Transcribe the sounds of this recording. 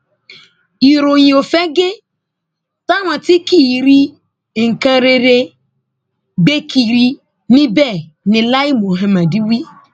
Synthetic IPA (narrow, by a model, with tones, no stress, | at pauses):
i˨ɾo˨ɲĩ˨o˨fɛ˦ɡe˦ | ta˦ŋʷã˨ti˦ki˦˨ɾi˦ | ŋ̩˨kã˦ɾe˨ɾe˦ | ɡ͡be˦ki˨ɾi˦ | nĩ˦bɛ˦˨ | nɪ̃˨la˦i˦mo˨ɦẽ˨mã˨di˦wi˦